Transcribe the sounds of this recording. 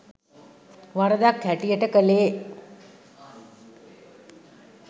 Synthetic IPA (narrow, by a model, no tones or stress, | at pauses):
ʋɐɾɐd̪aːk̚t̪ʰɛʈːijeʈːɐkɐleː